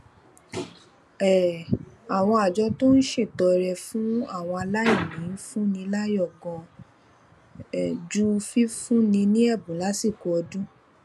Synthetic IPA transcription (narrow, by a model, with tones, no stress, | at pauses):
ɛ˨a˨w̃ɔ̃˧a˨d͡ʒɔ˨˦to˦n̩˦ʃe˦˨tɔ˨˧ɾɛ˧fũ˦a˦˨w̃ɔ̃˧a˧la˦ji˦˨mĩ˨˦n˦fũ˦nĩ˧la˦jɔ˦˨ɡɔ̃˧ | ɛ˨d͡ʒu˦fi˦fũ˦nĩ˧nĩ˦ɛ˦˨bũ˨˦la˦si˦˨ko˨˧ɔ˧dũ˦